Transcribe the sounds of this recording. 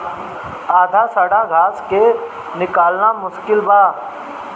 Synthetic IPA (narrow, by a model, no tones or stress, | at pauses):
aːd̪ʱasəɽ̤aɡʱaːske | nɪkaːlnamʊʃkɪlbaː